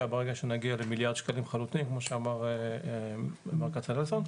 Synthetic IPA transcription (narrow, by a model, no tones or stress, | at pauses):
abeʁeɡaʃenaɡialemiljaʁd̪ʃkalimχalut̪imkmo̞ʃeamaʁe | meʁkasalelson